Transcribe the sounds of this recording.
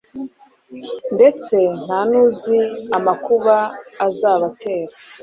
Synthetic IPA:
nde̞t͡se̞n̥hanuziamakuβaːzaːβate̞ːɾa

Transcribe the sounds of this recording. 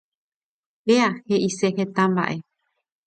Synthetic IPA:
heahe̞ʔiseɦe̞t̪ãmba̰ʔe̞

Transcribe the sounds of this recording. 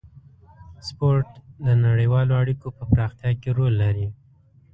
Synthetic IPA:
spoɾʈd̪ənaɽəjwɑloaɽikopəpɾɑxt̪jɑkeɾolːaɾi

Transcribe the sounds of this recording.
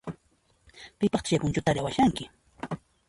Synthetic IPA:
pɪpɑχt̪t͡ʃapʊnt͡ʃʊt̪aɾawaʃaŋkɪ

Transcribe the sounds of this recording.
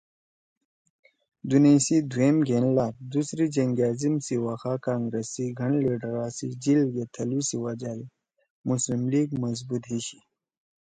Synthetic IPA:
d̪unesid̪uemɡʱenlaːɾd̪usɾid͡ʒɐŋɡaːzimsiwaːxaːkaːŋɡɾesiɡʱɐɳliɖɾaːsid͡ʑilɡet̪ʰɐlusiwad͡ʑaːɾi | muslimliɡmɐz̬but̪ɦiɕi

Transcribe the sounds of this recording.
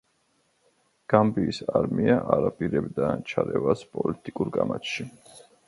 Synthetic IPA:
ɡ̥ambiːsaɾmiaʔaɾapʼiɾɛbd̪at͡ʃʰaɾɛvaspʼɔlit̪ʼikʼuɾkʼamat͡ʃ̪ʃi

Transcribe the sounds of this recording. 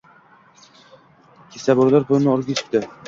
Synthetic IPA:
kʲʰesabɒɾlaɾpʰolnɪɒɾɡʲet͡ʃʰɪ̥p̚t̪ɪ

